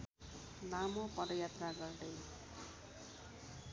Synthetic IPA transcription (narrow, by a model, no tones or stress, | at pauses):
lamopʌd̪ʌjat̪raɡʌrd̪ʌj